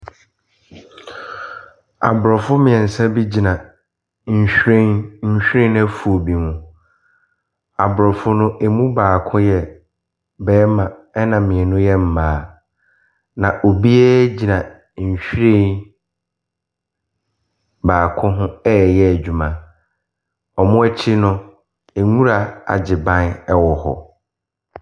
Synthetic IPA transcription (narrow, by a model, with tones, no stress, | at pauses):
a̰˨bʊ˨ɾɔ˨fʊ˦mɪ̃˨ɛ̃˨n̩˨sa˦bi˦d͡ʑi˨nã˨ | ɲ̩˨ɕᶣɾẽ˦ɲ̩˦ɕᶣɾẽ˦næ˦fu˨o˨bi˨mũ˨ | a˨bʊ˨ɾɔ˨fʊ˦nʊ̃˦ʔe˨mũ˦baː˨kʰʊ̃˦jɛ˨ | bɛː˦mã˨ɛ˦nã˨mɪ̃˨ɛ˨nʊ̃˦jɛ˦m̩˨maː˨˦ | nã˨ʔo˨bi˦ɛ˦d͡ʑi˨nã˨ | ɲ̩˨ɕᶣɾẽ˦˨ | baː˨kʰʊ̃˦ɦʊ̃˦ɛ˦˨jɛ˦æ˨d͡ʑᶣu˨mã˨ | ɔ˨mʊ̃˦ɛ˦t͡ɕʰɪ˦nʊ̃˦ | e˨ŋũ˦ɾa˨a̰˨d͡ʑɪ˨bã˦nɛ˦wɔ˨hɔ̰˨